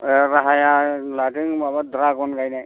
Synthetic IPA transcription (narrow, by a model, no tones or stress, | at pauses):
ɾaɦajalatiŋmabad̪ɾakɔnkajnaj